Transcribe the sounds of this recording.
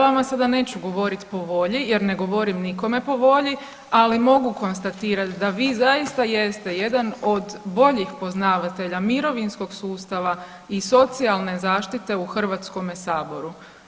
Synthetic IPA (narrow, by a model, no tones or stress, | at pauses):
ʋamasad̪ane̞ːt͡ɕuɡo̞ʋo̞ɾit̪po̞ʋo̞ʎije̞ɾne̞ɡo̞ʋo̞ɾimniko̞me̞po̞ʋo̞ʎi | alimo̞ɡuko̞nst̪at̪iːɾat̪d̪aʋiːzajist̪aje̞st̪e̞je̞d̪ano̞d̪bo̞ʎixpo̞znaːʋat̪e̞ʎamiɾo̞ʋinsko̞ɡsuːst̪aʋa | iso̞t̪sialˠne̞zaːʃt̪it̪e̞uxr̩ʋat̪sko̞mesaːbo̞ɾu